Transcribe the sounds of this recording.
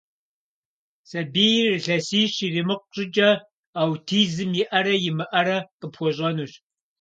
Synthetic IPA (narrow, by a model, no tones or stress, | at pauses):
sɐbiːjrɨɬɐsiːɕirimɨq̚ʷɕʼɪd͡ʒʼɐ | aːwtʰiːzɨmjɪʔɐɾɐjɪmɨʔɐɾɐqəpxʷɔɕʼɐnuːɕ